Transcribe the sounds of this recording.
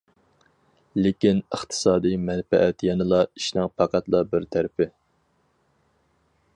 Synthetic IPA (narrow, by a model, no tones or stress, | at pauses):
lɪkʲinəχt̪ʰɨ̥sɑːd̪ɨjmɛnfɛʔɛt̪jɛnɨlˠɑiʃnɨŋpʰɑqʰæt̪lˠɑbɪɾt̪ʰæɾɪpʰɪ